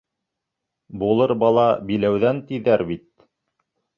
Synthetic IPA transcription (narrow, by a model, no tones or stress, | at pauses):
bulˠɤɾbɑlˠɑbilæwðænt̪iðæɾbit̪̚